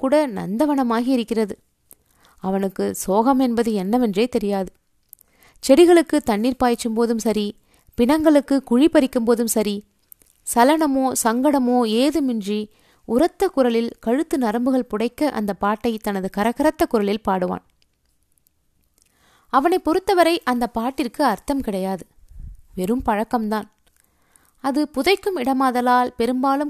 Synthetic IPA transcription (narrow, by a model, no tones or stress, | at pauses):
kːuːɽɐnɐ̰nd̪ɐʋɐnɐmaːɣiɪɾɯkːɪrɐðɯ | ɐʋɐnɯkːɯsoːɣɐmɛnbɐðɯɛnːɐʋɛndreːt̪ɛɾɪjaːðɯ | t͡ʃɛɽɪɣɐɭɯkːɯt̪ɐnːiːɾpaːjt͡ʃːɯmpoːðɯmsɐɾi | pɪɳɐŋɡɐɭɯkːɯkʊɻipɐɾɪkːɯmpoːðɯmsɐɾi | sɐlɐɳɐmoːsɐŋɡɐɽɐmoːeːðɯmɪndri | ʊɾɐt̪ːɐkʊɾɐlɪlkɐɻɯt̪ːɯnɐɾɐmbɯɣɐɭpʊɽɐɪkːɐʔɐ̰nd̪ɐpːaːʈːɐɪt̪ɐnɐðɯkɐɾɐɣɐɾɐt̪ːɐkːʊɾɐlɪlpaːɽɯʋa̰ːn | ɐʋɐnɐɪpɔɾɯt̪ːɐʋɐɾɐɪʔɐnd̪ɐpːaːʈːɪrkɯɐɾt̪ɐmkɪɽɐjaːðɯʋɛɾɯmpɐɻɐkːɐmt̪aːn | ɐðɯpʊðɐɪkːɯmɪɽɐmaːðɐlaːlpɛɾɯmbaːlɯm